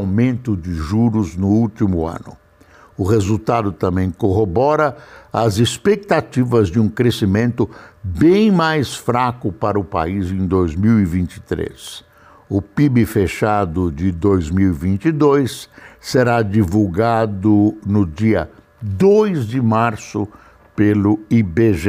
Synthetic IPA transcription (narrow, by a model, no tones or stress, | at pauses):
wmẽnt̪ʊd͡ʒɪʒuɾʊznʊut͡ʃimʊɐ̰̃nʊ̰ | ʊhezut̪ad̪ʊt̪ɐ̃mbẽj̃koɦobɔɾɐɐzɪspek̚t̪at͡ʃivɐzd͡ʒɪũkɾesimẽnt̪ʊbẽj̃majsfɾakʊpaɾɐʊpa̰izẽj̃d̪ojzmiwivĩnt͡ʃɪ̥t̪ɾḛs | ʊpibɪfeʃad̪ʊd͡ʒɪd̪ojzmiwivĩnt͡ʃid̪ojsːeɾad͡ʒivuwɡad̪ʊnʊd͡ʒiɐ | d̪ojzd͡ʒɪmaɾsʊ | pelʊibeʒe